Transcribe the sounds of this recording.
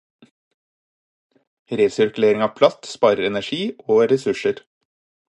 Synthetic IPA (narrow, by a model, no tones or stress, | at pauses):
ɾeːsʏɾkʉleːɾɪŋɑːʋpʰlɑst̪spɑːɾəɾɛnæʃiːʔoːɾɛsʉʃəɾ